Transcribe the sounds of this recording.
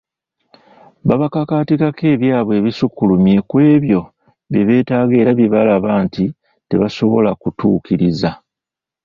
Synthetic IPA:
baβakakaːtikake̞ːβjaːβwe̞ːβisukːulumje̞kwe̞ːβjo̞ | βjeβe̞ːtaːɡe̞ːɾaβjiβalaβaːnti | te̞βaso̞βo̞lakutṵːkiɾiza

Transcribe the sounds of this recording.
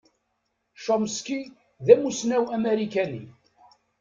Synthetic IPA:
ʃomski | ðæmusnæwæmeɾikænḭ

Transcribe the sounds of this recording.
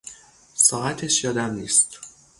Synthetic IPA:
sɒːæt̪ʰeʃjɒːd̪æmniːst̪

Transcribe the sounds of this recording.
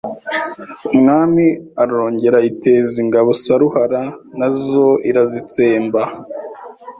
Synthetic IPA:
umŋaːmiaɾo̞ːɲɟe̞ɾaite̞ːziŋɡaβo̞saɾuhaɾanazo̞ʔiɾazit͡se̞ːmba

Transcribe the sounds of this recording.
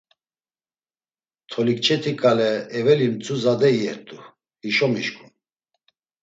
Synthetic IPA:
t̪ʰɔlik̚t͡ʃʰɛt̪ʰikʼalɛːvɛlimt͡sʰʼuzad̪ɛiɛ̰t̪ʼu | iʃɔmiʃkʰʼun

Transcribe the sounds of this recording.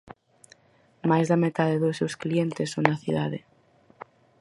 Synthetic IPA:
majzðɐmet̪aðeðʊsːewsklient̪ɪsoŋnɐθiða̰ðe

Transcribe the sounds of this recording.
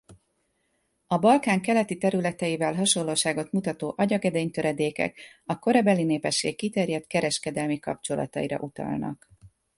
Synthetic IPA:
ɒbɒlkaːŋkɛlɛt̪it̪ɛɾylɛt̪ɛjivɛlɦɒʃo̞lːoːʃaːɡo̞t̪mut̪ɒt̪oːʔɒɟɒɡɛd̪eːɲt̪ø̞ɾɛd̪eːkɛ̰kɒko̞ɾɒbɛlineːpɛʃːḛːkːit̪ɛrjɛt̪kɛɾɛʃkɛd̪ɛlmikɒpt͡ʃo̞lɒ̰t̪ɒ̰jiɾɒ̰ʔut̪ɒ̰lnɒ̰k

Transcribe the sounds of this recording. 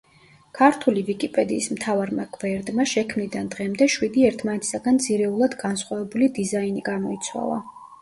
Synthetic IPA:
kʰaɾt̪ʰulivikʼipʼɛd̪iːsmt̪ʰavaɾmaɡʼvɛɾd̪maʃɛkʰmnid̪and̪ʁɛmd̪ɛʃwid̪iɛɾt̪ʰmanɛt̪ʰi̥saɡant̪z̥iɾɛulˠad̪ɡansχwavɛbulid̪izainiɡamɔit̪sʰwa̰lˠa̰

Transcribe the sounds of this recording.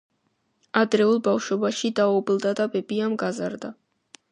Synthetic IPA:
ad̪ɾɛulˠbafʃɔbaʃid̪aɔblˠd̪ad̪abɛbiamɡazaɾd̪a

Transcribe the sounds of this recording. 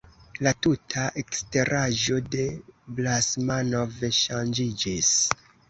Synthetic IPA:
latutʰaʔekste̞ɾʔaʒo̞de̞blasmanoveʃand͡ʒid͡ʒis

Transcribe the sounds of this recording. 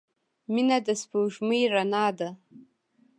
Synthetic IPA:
minadasbʰɨwʒmɨiranaːda

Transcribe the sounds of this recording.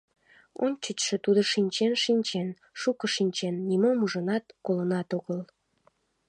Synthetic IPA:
o̰nʲt͡ɕət͡ɕʃĕt̪ud̪oʃinʲt͡ɕenʃinʲt͡ɕen | ʃukəʃinʲt͡ɕenːimomuʒənɑt̪kolənɑt̪oɣəl

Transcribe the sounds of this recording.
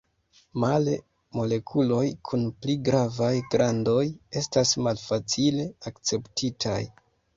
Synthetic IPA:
male | mo̞le̞kʰulo̞jkʰunpliɡɾavajɡɾando̞je̞stasmalfat͡sile̞akt͡se̞ptʰitʰaj

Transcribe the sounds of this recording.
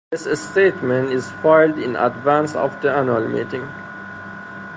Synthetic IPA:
ðɪsestetmɛ̃ntɪzfaɪldɪ̰̃na̰dvæ̃nsɔ̰fd̪əanualmḭːtɪ̃ŋ

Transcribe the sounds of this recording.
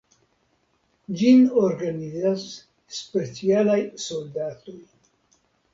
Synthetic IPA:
d͡ʒinoɾɡanizasː | pe̞t͡sialajso̞ld̪at̪o̞j

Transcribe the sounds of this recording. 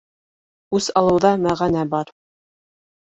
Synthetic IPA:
ʉsɑlˠɤ̆wðɑmæʁænæbɑɾ

